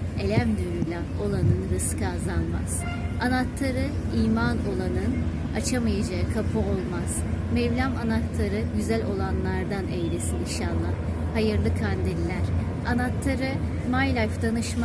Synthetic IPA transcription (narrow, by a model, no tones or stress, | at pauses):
e̞lʲæmd̪yɾylʲɛ | o̞lˠanɯnɾɯskɯazalˠma̰z̥ | anat̪lˠaɾɯiːmano̞lˠanɯn | at͡ʃʰamajad͡ʒaɯkʰapʰɯolˠmaz̥mɛvlʲamanat̪ʰlˠaɾɯɟyzælʲo̞lˠanlˠaɾd̪anejlʲesiniʃanlˠa | hajɯɾlˠɯkʰand̪ilːʲæɾ̥ | anat̪laɾɯ | majlʲˠajfd̪anɯʃma